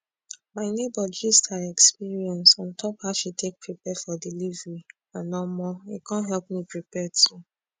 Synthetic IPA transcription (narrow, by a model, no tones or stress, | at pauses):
maɪnebɔd͡ʒistaɛkspiɹiɛ̃nsɔ̃ntɔphaʊʃitek̚pɹipɛfɔdilivɹi | ãnɔmɔḭkãnɦɛlp̚mipɹipɛtu